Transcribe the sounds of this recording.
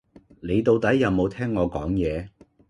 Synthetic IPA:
ne˨˧jt̪o˨˧wt̪ɐ˨˥jːɐ˨˧wmo˨˧wt̪ʰɛː˥ŋːɔː˨˧kɔː˨˥ŋjɛː˨˧

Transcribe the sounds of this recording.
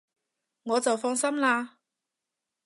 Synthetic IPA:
ŋɔː˨˧t͡sɐ˨wfɔː˧ŋsɐ˥mlaː˧

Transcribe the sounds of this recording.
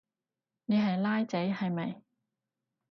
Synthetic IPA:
ne˨jɦɐ˨jlaː˥jt͡sɐ˨˥jhɐ˨jmɐ˨j

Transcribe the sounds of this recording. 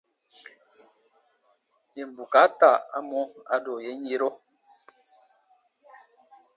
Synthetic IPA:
e˨m̩˨bu˨ka˨˦ta˦˨a̰˦mo˦a˦do˨je˦ɲ˦e˦ɾo˦

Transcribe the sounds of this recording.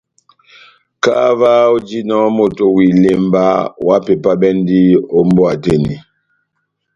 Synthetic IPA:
ka˦va˦o˦d͡ʒi˦nɔ˦mo˨to˨wi˨le˨mba˦wa˦pe˨pa˦bɛ˦n˦di˦o˦m̩˦bɔ˦a˨te˦ni˨

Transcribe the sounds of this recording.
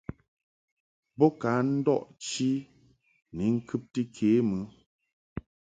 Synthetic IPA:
bɔ˦ka˨˦n̩˦dɔ˦˨ʔt͡ʃi˦ | ni˨˦ŋ̩˦kʰɨ˦p̚tɨ˦kʰe˨˦mɨ˨˦

